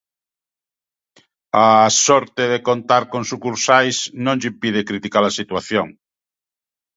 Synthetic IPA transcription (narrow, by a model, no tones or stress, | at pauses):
asɔɾt̪eðekont̪aɾkõŋsukuɾsajsnõŋʎimpið̞ekɾit̪ikalɐsit̪waθjoŋ